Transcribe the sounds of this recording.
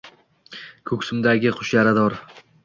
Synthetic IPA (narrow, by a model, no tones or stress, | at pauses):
kʰɵkʲsʊmd̪aɡʲɪχʰʊʃjaɾad̪ɒɾ